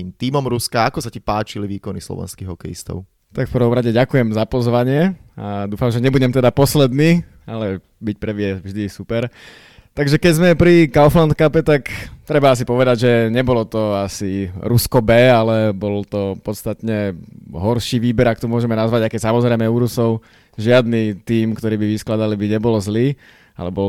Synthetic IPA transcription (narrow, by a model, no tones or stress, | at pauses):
imt̪iːmɔmɾuskaakɔsacipaːt͡ʃiliʋiːkɔnislɔ̰ʋɛ̰nskiɣɦɔkɛ̰jḭst̪ɔ̰ʊ | t̪akfpər̩ʋɔmɾaɟɛɟakujɛmzapɔzʋaɲɪɛad̪uːfamʒɛɲɛbuɟɛmt̪ɛd̪apɔslɛd̪niː | alɛ | bic̚pɾɛʋɪɛvʒd̪isupɛɾ | t̪aɡʒɛkɛɟzmɛpɾikaʊflant̪kapɛt̪akt̪ɾɛbaas̬ipɔʋɛd̪aɟʒɛɲɛbɔlɔt̪ɔasiɾuskɔbɛːalɛbɔlt̪ɔpɔt̪st̪at̪ɲɛɦɔɾʃiːʋiːbɛɾak̚t̪ɔmʊɔʒɛmɛnazʋaɟaɪkɛcsamɔzɾɛɪmɛuɾusɔʊ | ʒɪad̪nit̪iːmkt̪ɔɾiːbiʋisklad̪alibiɲɛbɔlɔzliː | a̰lɛbɔ